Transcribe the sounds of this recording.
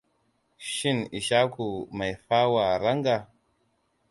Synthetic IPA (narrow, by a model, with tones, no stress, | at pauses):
ʃi˦ni˨ʃa˦ku˨ma˨jfa˦wa˨ɾa˦ŋɡa˨